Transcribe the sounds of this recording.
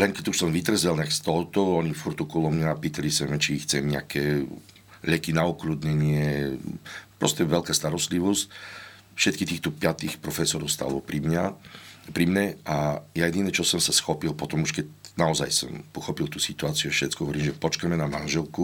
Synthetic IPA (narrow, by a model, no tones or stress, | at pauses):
lɛŋkɛɟuʃsɔmʋit̪ɾɛzɛlnakst̪ɔɦɔt̪ɔɔɲifuɾt̪ukulɔmɲaːpiːt̪alisɛmɛt͡ʃixt͡sɛmɲɪa̰kʰɛː | ʎɛkinaukluːd̪ɲɛɲɪɛ | pɾɔscɛʋɛlkaːst̪aɾɔst̪liʋɔsc | fʃɛt̪kit̪iːxt̪ɔpɪat̪iːxpɾɔfɛsɔɾɔʊst̪a̰ːlɔpɾimɲapɾimɲɛajajɛd̪inɛt͡ʃɔsɔmsasxɔpilˠpɔt̪ɔmuʃkɛcnaɔza̰jsɔ̰mpɔxɔpilt̪uːsit̪uaːt͡siuɛfʃɛt͡skɔɦɔʋɔɾiːmʒɛpɔt͡ʃkamɛnamanʒɛlku